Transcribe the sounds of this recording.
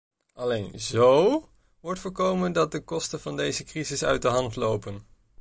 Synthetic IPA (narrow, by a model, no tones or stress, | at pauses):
ʔɑlejnzow | ʋɔɹtfʊːɹkowməndɑt̚dəkɔstənvɑndejzəkrizɪsœ̰ɥt̚dəɦɑntlowpən